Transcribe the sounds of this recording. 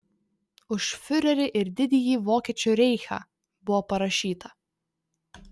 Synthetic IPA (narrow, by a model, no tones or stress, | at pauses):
ʊʃfʲʊɾʲɛɾʲɪʔɪɾd̪ʲɪd̪ʲɪjiːʋoːkʲiɛt͡ʃʲuːɾʲɛɪxɑ̰ː | bʊʋɔːpɐɾɐʃʲiːt̪ɐ